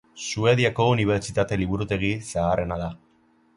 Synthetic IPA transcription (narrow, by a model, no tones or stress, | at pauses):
sue̞ðiako̞uniβ̞e̞ɾt͡ʃit̪at̪e̞liβuɾut̪e̞ɣisaːre̞naða